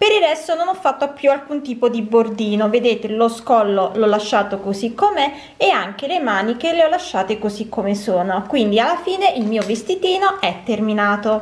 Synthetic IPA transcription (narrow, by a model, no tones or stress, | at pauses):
peɾirɛst̪ononɔfːat̪ːoapːjualkunt̪iːpod̪ibord̪iːnoved̪eːt̪eloskɔlːolɔlːaʃːaːt̪okozikːomeː | aŋk̟elemaːnikeleɔlːaʃːaːt̪ekozikːomesoːnokwind̪ialːafiːneʔilmiːovest̪it̪iːnoɛt̪ːerminaːt̪o